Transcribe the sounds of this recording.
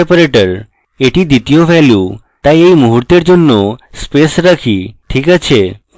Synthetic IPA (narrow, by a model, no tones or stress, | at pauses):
epəɾeʈəɾ | eʈid̪it̪ijoʋɛlju | t̪ãeimuɦuɾt̪eɾd͡ʒunːospesɾəkʰiʈʰikət͡ʃʰe